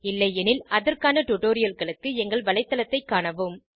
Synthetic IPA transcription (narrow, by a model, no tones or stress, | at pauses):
ɪlːɐɪɛnɪlɐðɐrkaːnɐʈʊʈoːɾɪjɐlɣɐɭɯkːɯɛŋɡɐɭʋɐlɐɪt̪ːɐlɐt̪ːɐɪkːaːɳɐʋɯm